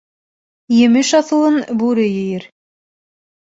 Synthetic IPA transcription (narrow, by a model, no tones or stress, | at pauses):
jɘ̆mɘʃɑθɤ̆lˠɤnbuɾɘjɘ̆jɘɾ